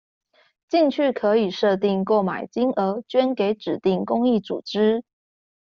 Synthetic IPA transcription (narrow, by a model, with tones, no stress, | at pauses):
t͡ɕi˥˧ŋt͡ɕʰy˥˩kʰɤ˧˥i˨˩ʂɤ˥˧t̪i˥˧ŋkwɔ˥˩ma̰˨˩ɪt͡ɕi˥ŋʔə˧˥t͡ɕɥɛ˥nke˧˥ɪʈ͡ʂɻ̩˨˩t̪i˥˩ŋkʊ˥ŋi˥˩t͡sṵ˨˩ʈ͡ʂɻ̩˥